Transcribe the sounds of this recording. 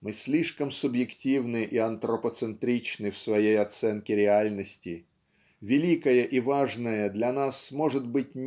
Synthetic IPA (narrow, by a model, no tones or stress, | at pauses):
mɨsʲlʲiʂkəmsʊbjɪktʲivnɨʔiɐnt̪ɾəpət̪sɨnt̪ɾʲit͡ɕnɨfsvɐjejɐt̪sɛnkʲɪɾʲɪalʲnəsʲtʲɪ | vʲɪlʲikəjəʔivaʐnəjəd̪lʲɐnasmo̞ʐɨt̪bɨtʲ